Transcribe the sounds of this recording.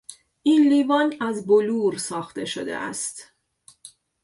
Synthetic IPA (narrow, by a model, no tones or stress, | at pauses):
ʔiːnliːvɒːnæzboluːɾsɒːxt̪eʃod̪e̞̰ʔæ̰st̪